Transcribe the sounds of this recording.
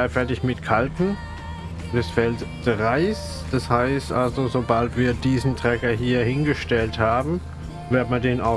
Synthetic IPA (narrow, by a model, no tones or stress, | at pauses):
aɪfɛɐtɪçmɪtkʰaltn̩ | d̥ɛsfɛltdʁaɪs | d̥ashaɪstʔalzozobaltv̥iːɐdiːzn̩tʁ̥ɛkɐɦiːɐhɪnɡəʃtɛlthaːbm̩ | vɪːɐdəmadeːnaʊ